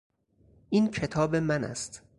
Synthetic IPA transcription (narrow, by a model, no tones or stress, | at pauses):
ʔiːncʰe̞t̪ʰɒːbe̞mænæ̰st̪